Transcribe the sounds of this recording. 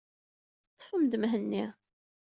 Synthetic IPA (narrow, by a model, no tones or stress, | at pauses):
t͡sːˤfəmd̪əmɦənːi